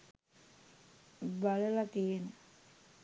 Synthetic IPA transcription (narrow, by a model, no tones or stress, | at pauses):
baləlak̪eːnə